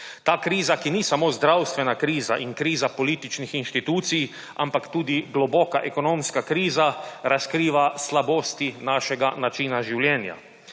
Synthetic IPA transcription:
t̪aːkɾiːzakinisamoːzd̪ɾawst̪ʋɛnakɾiːzaʔiŋkɾiːzapɔliːt̪it͡ʃnixinʃt̪it̪uːt̪sij | a̰mpakt̪uːd̪iɡlɔbɔːkaʔɛkɔnomskakɾiːzaɾaskɾiːʋaslaboːst̪inaːʃɛɡanat͡ʃiːnaʒiwljɛːnja̰

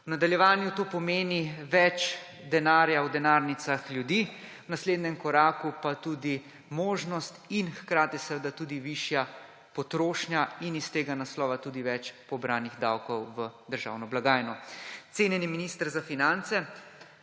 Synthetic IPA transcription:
wnad̪aljɛʋaːnjut̪oːpɔmeːniʋɛt͡ʃ | d̪ɛnaːɾjawd̪ɛnaːɾnit̪saxljud̪i | wnasleːd̪nɲɛmkɔɾaːkupat̪ud̪i | moːʒnɔst̪inxkɾaːt̪isɛʋəd̪at̪uːd̪iʋiʃja | pɔt̪ɾoːʃnjainist̪eːɡanaslɔːʋat̪uːd̪iʋɛt͡ʃpɔbɾaːniɣd̪a̰wkɔwʋəd̪əɾʒa̰ːwnɔblaɡaːjnɔt̪seːnjɛniminist̪əɾzafinant̪sɛ

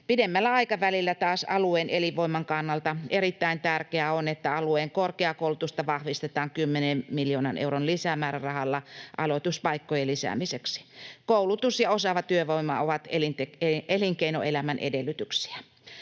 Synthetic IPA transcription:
pidemːælːæɑikɑʋælilːæt̪ɑːsɑ̰lueːnʔeliʋoimɑŋkɑnːɑlt̪ɑerit̪ːæint̪ærkeæonet̪ːæɑlueːŋkorkeɑkoˑulut̪ust̪ɑʋɑhʋist̪et̪ɑːŋkymːenemmiljoːnɑ̰nʔḛuronlisæmæːɾærɑhɑlːɑʔɑ̰lot̪uspɑikːojelisæ̰miseksi̥koulut̪usjɑosɑʋɑt̪yøʋoimːɑ̰oʋɑt̪elint̪eeeliŋkeino̰ʔelæmænʔḛdelːˑyt̪yksi̥æ

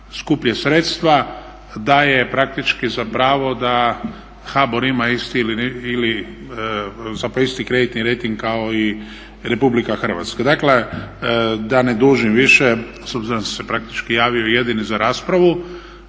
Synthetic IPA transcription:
skupʎesɾeːt̪st̪ʋa | d̪ajepɾak̚t̪it͡ʃkizapɾaːʋo̞d̪a | xaboɾimaist̪ilinili | zapɾoist̪ikɾed̪it̪niɾejt̪iŋɡ̚kaoi | ɾe̞publikaxər̩ʋa̰t̪skad̪akle | d̪aned̪uːʒimʋiʃe | sobziɾond̪asepɾak̚t̪i̥t͡ʃkijaːʋiojed̪inizaɾaːspɾaʋu

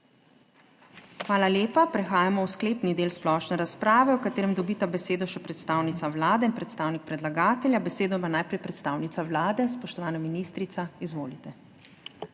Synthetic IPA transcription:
xʋaːlaljeːpapɾɛxaːjamɔwskleːpnid̪eːlsplɔʃnɛɾaspɾaːʋɛuwkat̪eːɾɛmd̪ɔbiːt̪abɛseːd̪ɔʃɛpɾɛt̪st̪aːwnit̪awlaːd̪ɛinpɾɛt̪st̪aːwnik̚pɾɛd̪laɡaːt̪ɛlʲjabɛseːd̪ɔpanaːjpɾɛjpɾɛt̪st̪aːwnit̪sawlaːd̪ɛspɔʃt̪ɔʋaːnaminiːst̪ɾit̪saizʋoːlit̪ɛ

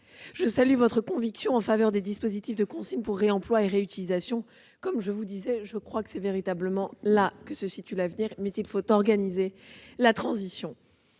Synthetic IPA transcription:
ʒəsalyvɔt̪χəkɔ̃viksjɔ̃ɑ̃favœʁd̪ed̪ispozit̪ifd̪əkɔ̃sinpuʁːeɑ̃plwaeʁeyt̪ilizasjɔ̃ | kɔmʒəvud̪izɛʒəkχwakə̥sɛveʁit̪abləmɑ̃lakəsəsit̪ylavniʁmɛzilfot̪ɔʁɡanizelat̪χɑ̃zisjɔ̃

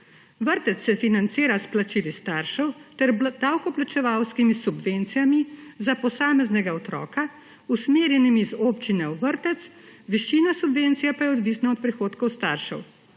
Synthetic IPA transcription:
ʋəɾt̪ɛt̪sːɛfinant̪siːɾasplat͡ʃiːlist̪aɾʃɛwt̪ɛɾd̪awkɔplat͡ʃɛʋawskimisubʋent̪sijamizapɔsaːmɛznɛɡaɔt̪ɾɔ̰ːka | usmeːɾjɛnimizoːpt͡ʃinɛwʋəɾt̪ɛt̪s | ʋiʃiːnasubʋeːnt̪sijapajɛɔd̪ʋisnaɔt̪̚pɾixoːt̪kɔwst̪aɾʃɛ̰w

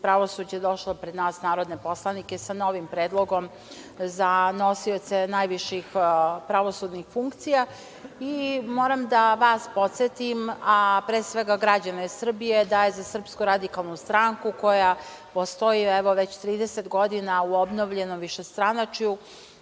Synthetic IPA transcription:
pɾaʋo̞suːd͡ʑed̪o̞ʃlˠopɾed̪naːsnaːɾo̞d̪nepo̞slˠanike̞sano̞ʋimpɾeːd̪lˠo̞ɡo̞m | zano̞sio̞t̪senajʋiʃixpɾaʋo̞sud̪nixfuŋkt̪sija | imo̞ːɾamd̪aʋaspo̞t̪set̪imapɾeːsʋe̞ɡaɡɾad͡ʑanesr̩bijed̪aːjezasr̩pskuɾad̪ikalˠnust̪ɾaŋkuko̞ja | post̪o̞jiɛʋo̞ʋet͡ɕt̪ɾiːd̪eset̪ɡo̞d̪inauobnoʋʎe̞nomʋiʃe̞st̪ɾanat͡ʃju

